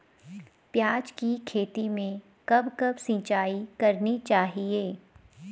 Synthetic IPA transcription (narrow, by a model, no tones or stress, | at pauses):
pjaːd͡ʒkikʰeːt̪imẽ | kɐbkɐbsĩːt͡ʃaːikɐɾnit͡ʃaːɦieː